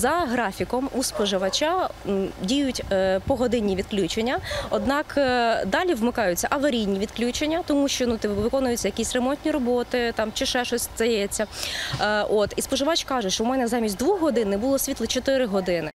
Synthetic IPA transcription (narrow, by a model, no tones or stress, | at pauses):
zɐɦɾɑfʲikɔmuspɔʒɪʋɐt͡ʃadʲijʊtʲpɔɦɔd̪ɪnʲːiʋʲid̪̚klʲut͡ʃenʲːɐɔd̪nɑkd̪ɑlʲiʋmɪkɑjʊt͡sʲːɐʔɐʋɐɾʲijnʲiʋʲid̪klʲut͡ʃenʲːɐt̪ɔmuʃt͡ʃɔnut̪ɪʋɪkɔnʊjʊt͡sʲːɐjɐkʲisʲremɔnʲtʲnʲiɾɔbɔt̪ɪt̪ɑmt͡ʃɪʃɛʃɔsʲt̪ɐjɛt͡sʲːɐ | ʔot̪ispɔʒɪʋɑt͡ʃkɑʒʊʃt͡ʃɔwmɛnɛzɑmʲisʲtʲd̪ʋuxɦɔd̪ɪnɪbʊlˠɔsʲʋʲit̪lˠɔt͡ʃɔt̪ɪɾɪɦɔd̪ɪnɪ